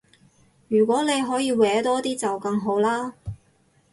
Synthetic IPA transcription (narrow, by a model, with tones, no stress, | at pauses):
jyː˨˩kʷɔː˨˥ne˨˧jɦɔː˨˥jiː˨˧wɛː˨˥t̪ɔː˥t̪iː˥t͡sɐ˨wkɐ˧ŋɦo˨˥wlaː˥